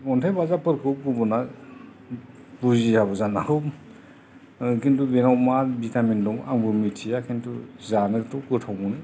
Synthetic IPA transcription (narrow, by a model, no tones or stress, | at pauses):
ɔntʰajbazapʰɯɾkʰɯkubɔna | buziabɔzanahɯw | kintubenɔwmaɾbitamindɔŋaŋbɯmitʰijakʰintuzanɯtɔkɯtʰɔwmɔnɯ